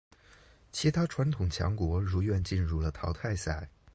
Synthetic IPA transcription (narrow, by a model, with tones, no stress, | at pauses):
t͡ɕʰi˧˥t̪ʰa˥ʈ͡ʂʰwa˧˥nt̪ʰʊ˨˩ŋt͡ɕʰjɑ̰˧˥ŋkwɔ˧˥ɻu˧˥ɥɛ˥˧nt͡ɕi˥˧nɻu˥˩lə˩t̪ʰɑ˧˥ʊt̪ʰa˥˧ɪsa˥˩ɪ